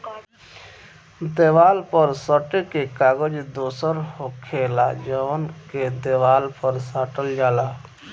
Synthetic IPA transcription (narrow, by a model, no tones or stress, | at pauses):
d̪eːʋaːlpəɾsəʈkekaːɡəd͡ʒd̪oːsəɾɦokʰeːlad͡ʒənked̪eːʋaːlpəɾsaːʈəld͡ʒaːlaː